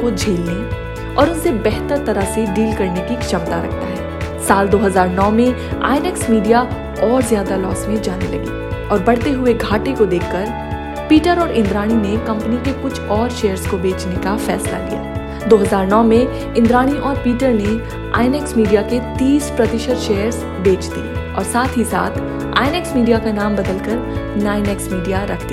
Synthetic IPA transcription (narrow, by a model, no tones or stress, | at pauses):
kod͡ʒʱeːlne | ɔːɾʊnsebɛɦt̪əɾt̪ɐɾəseɖiːlkɐɾnekikʃɐmt̪aɾɐ̰k̚ʰt̪aɦɛːsaːld̪oːɦɐzaːɾnɔːmẽ | a̰ːɪneːksmiːɖija | ɔːɾzjaːd̪alɔːsmẽd͡ʒaːnelɐ̰ɡḭːɔːɾbɐɽ̤t̪eɦʊeɡʱaːʈekod̪eːkʰːɐɾ | piːʈəɾɔːɾʔɪ̃nd̪ɾaːɽ̃inekɐ̃mpənikekʊt͡ʃʰɔːɾʃeːəɾskobeːt͡ʃnekafɛ̰ːsla̰lija̰ː | d̪oːɦɐzaːɾnɔːmẽ | ɪ̃nd̪ɾaːɽ̃iʔɔːɾpiːʈəɾne | a̰ːɪneːksmiːɖijaket̪iːspɾɐt̪ɪʃət̪ʃeːəɾz | beːt͡ʃt̪iɔ̰ːɾsaːt̪ʰɦisa̰ːt̪ʰ | a̰ːɪneːksmiːɖijakanaːmbɐd̪əlkəɾnaːɪneksmiːɖijaɾɐkʰt̪i